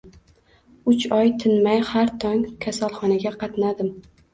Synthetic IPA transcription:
ʊt͡ʃɒjt̪ʰɪnmajhaɾt̪ʰɒŋkʲʰasalˠχɒnaɡʲaqʰɑt̪nad̪ɪm

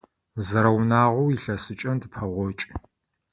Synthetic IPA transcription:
zɐɾɐwnaːʁʷɔwiɬɐsɨt͡ʃʼɐndɨpʰɐʁʷɔt͡ʃʼ

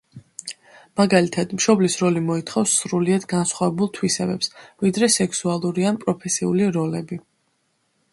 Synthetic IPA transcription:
maɡalit̪ʰad̪mʃɔblisɾɔlimɔit̪ʰχɔfsːɾuliad̪ɡansχwavɛbulˠt̪ʰwisɛbɛpsvid̪ɾɛsɛksualˠuɾianpʼɾɔpʰɛsiuliɾɔlɛbi

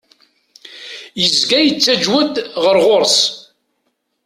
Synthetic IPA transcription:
jəzɡæjət͡sːæd͡ʒwæd̪ʁəɾʁoɾˤs

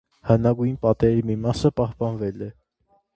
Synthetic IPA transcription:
hənɑɡujnpɑt̪ɛɾimimɑsəpɑhpɑnvɛlɛ

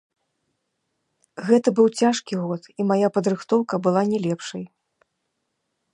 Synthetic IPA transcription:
ɣɛt̪ɐbɨwt͡sʲaʂkʲiɣɔt̪imajapɐd̪ɾɨxt̪ɔwkɐbɨlˠanʲɛlʲɛpʂɐj

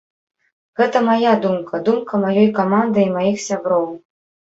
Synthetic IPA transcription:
ɣɛt̪ɐmajad̪umkʰɐd̪umkɐmajɔjkamand̪ɨjmajixsʲabɾɔw

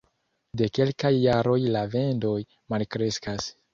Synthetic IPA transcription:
de̞ke̞lkajːaɾo̞jlave̞ndo̞j | malkɾe̞skas

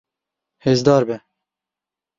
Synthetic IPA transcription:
heːzd̪ɑːɾbɛ

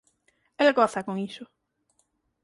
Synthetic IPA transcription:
elɣoθakoŋiso

